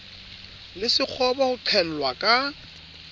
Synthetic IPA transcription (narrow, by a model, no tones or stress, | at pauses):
lɪsɪk͡xʰɔbɔhʊǀʰɛl̩lwakʼa